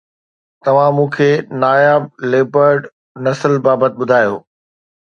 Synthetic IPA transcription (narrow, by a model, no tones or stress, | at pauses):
t̪ɐʋ̤ãmũːkʰeːnaːjaːb̚leːbəɾɖ | nɐsəlbaːbət̪̚ɓʊd̪ʱaːjo̰ː